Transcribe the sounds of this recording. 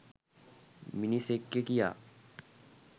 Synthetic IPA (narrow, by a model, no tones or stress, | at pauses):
mɪnisekːekija̰ː